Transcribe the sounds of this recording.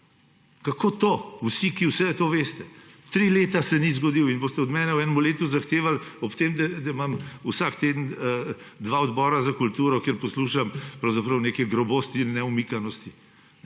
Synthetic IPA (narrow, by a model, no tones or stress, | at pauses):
kakoːt̪ousikiwsɛt̪oːʋeːst̪ɛt̪ɾileːt̪asɛnizɡɔd̪iwinboːst̪ɛɔd̪mɛːnɛwɛːnɛmuleːt̪uzaxt̪eːʋalɔpt̪emd̪ɛd̪ɛmamusakt̪eːd̪n̩ə | d̪ʋaɔd̪bɔːɾazakult̪uːɾɔkjeɾpɔsluʃampɾɐwzapɾɐwneːkɛɡɾɔboːst̪iːnːɛumikanɔst̪i